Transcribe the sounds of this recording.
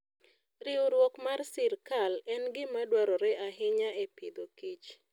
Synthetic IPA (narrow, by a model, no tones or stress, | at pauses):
ɾɪoɾwɔkmarsɪrkalɛnɡɪmadwaɾɔɾɛʔaɦɪɲaepɪd̪okit͡ʃ